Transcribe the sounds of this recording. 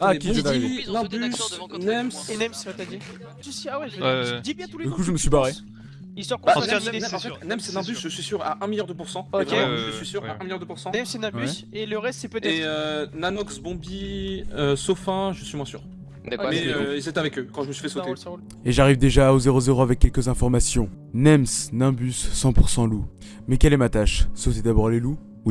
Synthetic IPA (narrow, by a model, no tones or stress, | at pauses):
akt̪inɛ̃bysnɛmsnɛmst̪ad̪i | t̪ysawɛd̪ibjɛ̃t̪uled̪ykuʒəməsɥibaʁe | ilsɔʁkbãnɛɛnɑ̃fɛtt̪nɛmsɛnɛ̃bysʒəsɥisyʁa̰ʔɛ̃miljaʁd̪əpuʁsɑ̃ɛvʁẽʒəsɥisyʁaɛ̃miljãd̪əpuʁsɑ̃nɛmsɛnɛ̃byseləʁɛst̪sɛpət̪ɛeønanɔksbɔ̃biøsofɛ̃ʒəsɥimwɛ̃sy̰ːʁ | kmɛøilzɛt̪avɛkøkɑ̃ʒəməsɥifɛsot̪e | eʒaʁivd̪eʒaːozeʁozeʁoavɛkʲːɛlkʲəzɛ̃fɔʁmasjɔ̃ | nɛmsnɛ̃bysːɑ̃puʁsɑ̃lu | mɛkʲɛlɛmat̪aʃsot̪ed̪abɔʁlelu